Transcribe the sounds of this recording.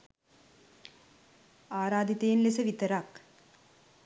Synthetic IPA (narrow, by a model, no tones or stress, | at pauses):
aːɾaːd̪it̪ejnlesɐʋit̪ɐɾaːk